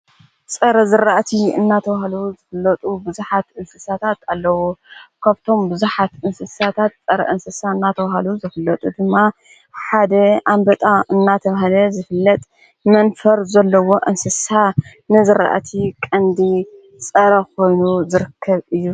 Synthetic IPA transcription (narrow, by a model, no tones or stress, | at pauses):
sʼɐɾɐzɨɾaʔt̪ʰiɨ̰nːat̪ʰɐβahaluzɨfɨlːɐt̪ʼubɨzuħat̪ɨnsɨsat̪ʰat̪alːɐwukʰaβt̪ʰo̞mbɨzuħat̪ʔɨnsɨsat̪ʰat̪̚t͡sʼɐɾɐ̰ʔɨnsɨsaɨnːat̪ʰɐβahaluzɨfɨlːɐt̪ʼud̪ɨmːa | ħad̪ɐʔambɐt̪ʼaɨnːat̪ʰɐβahlɐzɨfɨlːɐt̪ʼ | mɐnfɐɾzɐlːɐwo̞ʔɨnsɨsa | nɨzɨɾa̰ʔt̪ʰikʼɐnd̪i | sʼɐɾɐko̞jnuzɨɾɨkʰːɐβɨjːu